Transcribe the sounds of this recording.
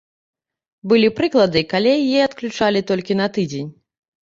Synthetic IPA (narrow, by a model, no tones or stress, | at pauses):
bɨlʲipɾɨklˠɐd̪ɨkalʲɛjɛɐt̪klʲut͡ʂalʲit̪ɔlʲkʲin̪ɐt̪ɨd͡zʲenʲ